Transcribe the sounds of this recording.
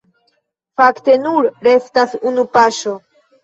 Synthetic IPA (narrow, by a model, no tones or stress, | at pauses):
fakte̞nuɾɾe̞stasunupaʃo̞